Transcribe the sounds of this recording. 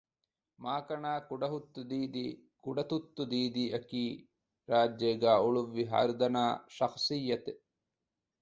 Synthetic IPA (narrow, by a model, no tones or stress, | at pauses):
maːkɐɳaːkuɖɐɦut̪ːud̪iːd̪i | kuɖɐt̪ut̪ːud̪iːd̪iɐkiː | ɾaːd͡ʒjeɡaːuɭuʋːiɦa̰ːɾd̪ɐnaːʃɐxsijːɐt̪e